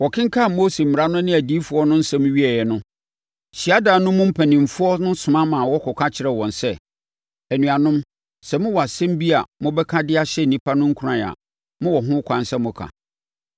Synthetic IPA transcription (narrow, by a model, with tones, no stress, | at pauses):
wɔ˨kʰɪ̃˦ŋ̩˦kʰa˦˨mo˦se˨m̩˨ɾa˦nʊ̃˦nɪ̃˦æ˨di˦fʊ˨ɔ˦nʊ̃˦n̩˦sɛ˦mʊ̃˦ɥi˦ɛ˨jɛ˨nʊ̃˦ | ɕi˨a˦daː˨nʊ̃˦mʊ̃˦m̩˦pʰæ˨nĩ˨m˨fʊ˦ɔ˦nʊ̃˦sʊ̃˨mã˦mã˨wɔ˦kʰɔ˨kʰa˦t͡ɕʰɪ˨ɾɛ˨wɔ̃˨nsɛ˦˨ | æ˨nũ˨a˨nʊ̃˦m | sɛ˨mʊ̃˦wɔ˨a˨sɛ̃˦m˦bi˦a˨mʊ̃˦bɛ˦kʰã˦dɪ˦a˦ɕɛ˦n̩˨nĩ˦pʰa˦nʊ̃˦ŋ̩˦kʰu˦ɾã˦˨a̰˨ | mʊ̃˦wɔ˨ɦʊ̃˦kʷʰã˨n˦sɛ˦mʊ̃˦kʰã̰˨